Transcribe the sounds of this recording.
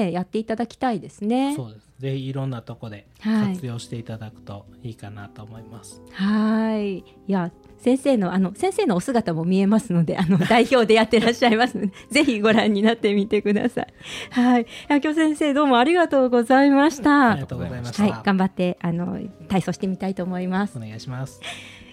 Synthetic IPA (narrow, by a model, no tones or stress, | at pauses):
ejat̪ːe̞it̪ad̪akʲi̥t̪aid̪e̞sɨne̞oːd̪eszeçiːɾõ̞nːat̪oko̞d̪e̞ | haiiɨjo̞ːɕi̥t̪e̞it̪ad̪akɯ̟̥t̪o̞iːkanat̪oːmo̞imasɨ̥hai | ja | sẽ̞ɰ̃se̞ːno̞ano̞sẽ̞seːno̞ːsɨɡat̪amo̞mʲie̞masɨno̞d̪e̞ʔano̞d̪aiço̞ːd̪e̞jat̪ːe̞ɾaɕːaimasɨnod̪eze̞çiɡo̞ɾãɲ̟ːinat̪ːe̞mʲit̪e̞kɯ̟d̪a̰sa̰ihaijakʲo̞ːsẽ̞ɰ̃se̞ːd̪o̞ːmo̞aɾʲiɡat̪o̞ːɡo̞zaimaɕi̥t̪aat̪oɡozaimahaiɡ̥ãmbat̪ːe̞ʔano̞̰t̪aiso̞ɕi̥t̪e̞mʲit̪ait̪o̞ːmo̞imasɨ̥neɡaiɕimasɨ̥